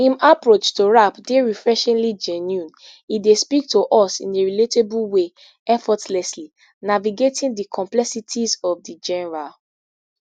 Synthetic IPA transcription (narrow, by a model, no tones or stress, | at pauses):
ĩmapɹot͡ʃtoɹapdeɹifɹɛʃɛ̃nlid͡ʒɛnjũn | idespik̚toʔɔsḭ̃neɹiletebulwe | ɛfɔtlɛsli | naviɡetĩndikʰɔ̃mplɛsitʰizɔvdid͡ʒɛnɛɹal